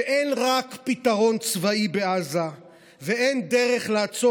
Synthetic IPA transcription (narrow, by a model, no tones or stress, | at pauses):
eʔenʁakpit̪aʁo̞nt͡svaibeaza | vee̞nd̪e̞ʁeχlaːt͡so